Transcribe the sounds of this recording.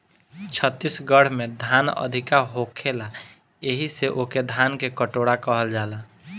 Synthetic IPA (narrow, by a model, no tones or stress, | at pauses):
t͡ʃʰət̪ːisɡəɽ̤med̪ʱanə̰d̪ʱikaɦokʰela | eɦiseʔoked̪ʱankekəʈoɽakəɦəld͡ʒala